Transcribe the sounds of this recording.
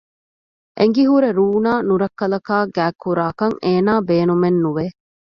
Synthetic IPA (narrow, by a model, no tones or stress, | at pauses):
ʔeŋ̆ɡiɦuɾeɾuːnaːnuɾɐkːɐlɐkaːɡæːkːuɾaːkɐŋeːnaːbeːnumenːuʋe